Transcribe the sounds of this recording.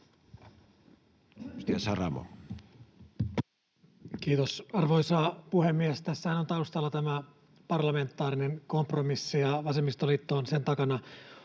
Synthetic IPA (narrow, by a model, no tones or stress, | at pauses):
st̪iæsɑrɑ̰mo̰ | kiːt̪osɑrʋojsɑːpuhe̞mːiest̪æsːæhænont̪ɑust̪ɑlːɑt̪æmæ | pɑrlɑme̞nt̪ːˑɑːɾinenko̞mpromisːijɑʋɑsemːist̪olit̪ːo̞ːnse̞nt̪ɑkɑnɑ